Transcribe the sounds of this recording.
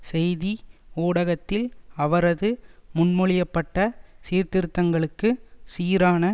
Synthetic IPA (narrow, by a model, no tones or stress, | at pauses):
sɛjðioːɽɐɣɐt̪ːɪlɐʋɐɾɐðɯmʊnmɔɭɪjɐpːɐʈːɐsiːɾt̪ɪɾɯt̪ːɐŋɡɐɭɯkːɯsiːɾaːnɐ